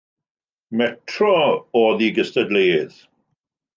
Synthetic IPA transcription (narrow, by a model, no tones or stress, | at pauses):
mɛtʰrɔɔðiɡəstədleːð̥